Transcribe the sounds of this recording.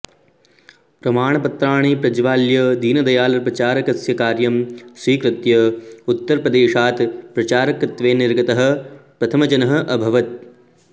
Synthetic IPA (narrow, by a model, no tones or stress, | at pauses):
pɾɐmaːɳ̃ɐpɐt̪ɾaːɳ̃iːpɾɐd͡ʒʋaːljɐd̪iːnɐd̪ɐjaːlɐɾpɾɐt͡ʃaːɾɐkɐsjɐkaːɾjɐmsʋiːkɾɪt̪jɐut̪ːɐɾpɾɐd̪eːʃaːt̪pɾɐt͡ʃaːɾɐkɾɐt̪ʋeːniɾɡɐt̪ɐɦɐ̆pɾɐt̪ʰɐmɐd͡ʒɐnɐɦɐ̆ʔɐbʱɐʋɐt̪̚